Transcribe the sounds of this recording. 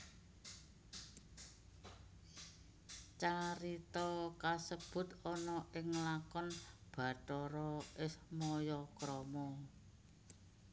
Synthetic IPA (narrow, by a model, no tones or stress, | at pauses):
t͡ʃaɾit̪ɔkasəb̥ʊ̤t̪ɔnɔʔɪŋlakɔnb̥ä̤tɔɾɔʔɪsmɔjɔkɾɔmɔ